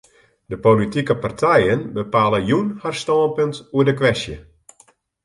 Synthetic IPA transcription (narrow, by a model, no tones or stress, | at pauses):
dəpolitikəpartʰɛjənbəpaːləjunharstɔːmpəntuədəkʋɛsjə